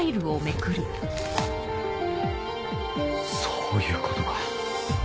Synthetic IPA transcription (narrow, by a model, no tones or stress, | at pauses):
iɾɯ̟ome̞kɯ̟ɾɯ | soːjɯ̟ːkot̪oβa